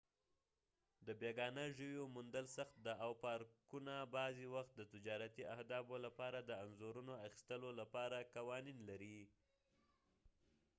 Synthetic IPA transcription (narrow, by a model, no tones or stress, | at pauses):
d̪əbeɡɑnəʒəwjomʊnd̪əlsaxt̪̚d̪aawpɑɾkunabɑzewaxt̪̚d̪ət̪ɪd͡ʒɑɾat̪iʔahd̪ɑbolapɑɾad̪əanzoɾunoaxi̥st̪əlolapɑɾakawɑninlaɾi